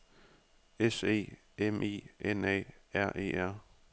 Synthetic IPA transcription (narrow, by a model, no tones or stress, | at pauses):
ese̝̰ː | emʔḛːenɛ̰ːæɐ̰ʔe̝̰ːæɐ̰